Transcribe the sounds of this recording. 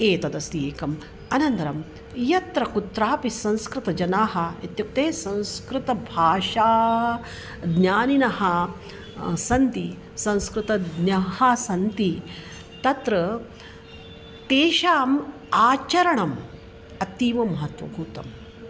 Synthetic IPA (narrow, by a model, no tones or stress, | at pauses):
eːt̪ɐd̪ɐsieːkɐm | ɐnɐnt̪ɐɾɐm | jɐt̪ɾɐkut̪ɾaːpisɐ̃nskɾɪt̪ɐd͡ʒɐnaːɦɐ̆ɐ̰t̪jɐk̚t̪eːsɐ̃nskɾɪt̪ɐbʱaːʃaː | d̪njaːninɐɦɐ | sɐnt̪i | sɐ̃nskɾɪt̪ɐd̪nɐɦɐsɐnt̪i | t̪ɐt̪ɾɐ | t̪eːʃaːm | aːt͡ʃɐɾɐɳɐm | ɐt̪iːʋɐmɐɦɐt̪ʋɐ̰bʱuːt̪ɐm